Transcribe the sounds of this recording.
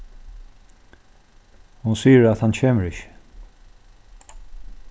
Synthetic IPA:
hʊnsiːɪɾæt̪hant͡ɕʰeːməɹɪçɪ̥

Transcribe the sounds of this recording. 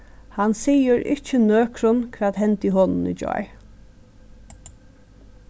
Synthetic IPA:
hansiːəɾʔɪ̰t͡ʃːənøːkʰɾʊnkʰʋɛːat̪hɛnt̪iːɦɔnn̩ḭːd͡ʒɔ̰ʏ

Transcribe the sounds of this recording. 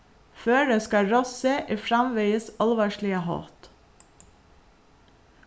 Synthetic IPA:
føːɖeːskɑɹɔsəʔiːfɾɑmʋæɪəsɑlʋɑːʃɭɪəhɑ̰ːt̪

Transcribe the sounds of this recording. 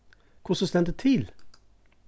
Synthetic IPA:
kʰʊsɔst̪ɛnd̪ət̪ʰɪl

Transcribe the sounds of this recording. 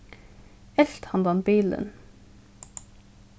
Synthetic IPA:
ɛlt̪hɑnd̪ɑnbiːlə̰n

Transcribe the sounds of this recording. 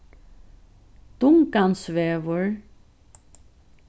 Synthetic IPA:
t̪ʊŋkansʋɛːʋəɹ

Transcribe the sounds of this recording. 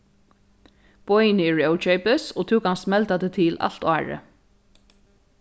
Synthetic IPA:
b̥ɔjnɪɹœwt͡ʃœɥpəsɔt̪ʰuːkhansmɛlt̪at̪ət̪ʰɪla̰l̥t̪ɑːɹə̰

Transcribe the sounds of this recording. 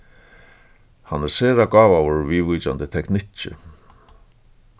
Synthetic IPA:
hanːɛɾseːɾaɡaːvawʊɹviːviːt͡ʃant̪ɪt̪ʰɛknɪt͡ʃɪ̰

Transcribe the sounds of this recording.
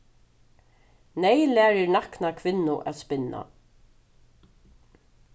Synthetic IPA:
nɛjlæːɾɪɹnaknakʰvɪnːʊʔæ̰ːt̪spɪna̰

